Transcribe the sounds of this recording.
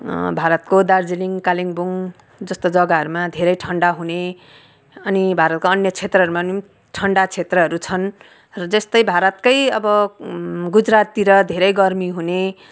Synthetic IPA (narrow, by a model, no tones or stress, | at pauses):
bʱaɾʌt̪kod̪ard͡ziliŋkaliŋbuŋ | d͡zʌst̪od͡zʌɡaʌɾumad̪ʱeɾʌjʈʰʌɳɖaɦune | ʌnibʱaɾʌt̪̚koʌnjʌt͡sʰet̪rʌɦʌɾumani | ʈʰʌɳɖat͡sʰet̪rʌɦʌɾut͡sʰʌn | rʌd͡zʌst̪ʌjbʱaɾʌt̪̚kʌjʌbʌ | ɡud͡zrat̪ːiɾʌd̪ʱeɾʌjɡʌrmiɦune